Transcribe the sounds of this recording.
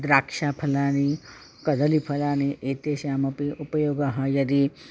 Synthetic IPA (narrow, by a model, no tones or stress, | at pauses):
d̪ɾaːkʂaːpʰɐlaːni | kɐd̪ɐlipʰɐlaːniʔeːt̪eːʃjaːmɐpiupɐjoːɡaɦɐjɐd̪i